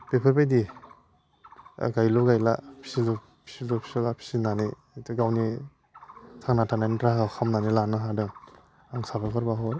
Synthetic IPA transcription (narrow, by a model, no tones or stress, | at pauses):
b̥epʰaɾbajdi | ɡajlɔɡajla̰pʰi̥silɔ | pʰi̥silopʰi̥silapʰi̥sinani | tɡawni | tʰaŋnatʰananitɾaɡawkʰamnanilanɯɦadɯŋ | aŋsabapʰaɾbaɦɔɾ